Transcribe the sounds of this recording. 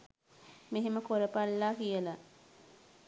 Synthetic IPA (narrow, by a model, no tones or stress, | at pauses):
meɦeməkoɾəpalːaːkijəla